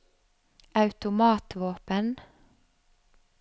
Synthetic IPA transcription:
ʔɑʉt̪ʊmɑːt̪ʋoːpən

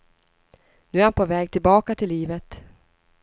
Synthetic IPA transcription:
nʉ̟ːæɾhanpʰovɛːɡ̚t̪ʰɪlbɑːkat̪ʰɪlːiːvət̪

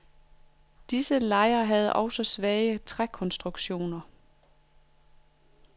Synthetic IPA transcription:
d̥isəlɑ̈ɪɐɦæð̞̩ˠʔɒ̽ʊsɒ̽sʋɛːɪt͡sʰʁakʰɒ̽nsd̥ʁuɡ̥ɕo̝̰ːnɐ

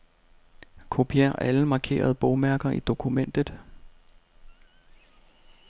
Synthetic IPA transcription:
kʰo̝pʰiæɐʔæləmɑ̈kʰe̝̰ːɐðˠb̥ɔʊmæɐɡ̥ɐʔid̥o̝kʰumen̰d̥ð̩ˠ

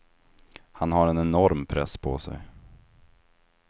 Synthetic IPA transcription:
hanhaɾɛnɛnɔɾmpʰɾɛspʰɔ̰sɛ̰j

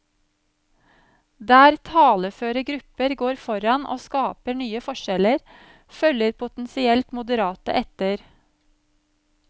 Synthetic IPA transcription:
d̪æːɾt̪ʰɑːləføːɾəɡɾʉpəɾɡoːɾfɔɾɑnʔo̰ːskɑːpəɳyːəfɔʃɛləɾ | fœləɾpʰʊt̪n̩sɪɛlt̪mʊd̪əɾɑːt̪ə̰ʔɛt̪əɾ

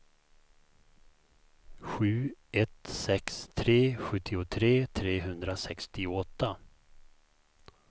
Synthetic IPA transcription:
ɧʉ̟ːɛt̪sɛkst̪ʰɾeːɧɵt̪ʰːɪʊt̪ʰɾeːt̪ʰɾeːɦɵnd̪ɾasɛkst̪ɪʊɔt̪ːa

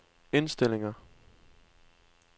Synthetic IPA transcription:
e̝nsd̥el̰e̝ŋɐ

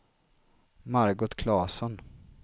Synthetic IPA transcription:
maɾɡʊt̪kʰlɑːsɔn

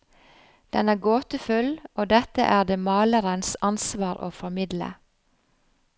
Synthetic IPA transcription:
d̪̥ɛnæːɡoːt̪əfʉloːd̪ɛt̪ə̰ʔæːd̪eːmɑːləɾənsɑnsʋɑːɾʔo̰ːfɔmɪd̪lə̰

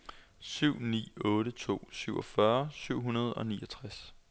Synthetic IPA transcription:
syʊ̰nḭːɔ̽ːɾət͡sʰo̝̰ːsyʊɒ̽fɶɐsyʊ̰ɦunɐð̞̩ˠɒ̽niːɒ̽t͡sʰʁas

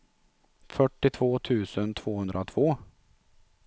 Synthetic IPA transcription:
fœʈːɪt̪ʰvoːt̪ʰʉ̟ːsənt̪ʰv̥oːhɵnd̪ɾaɔt̪ʰv̥oː

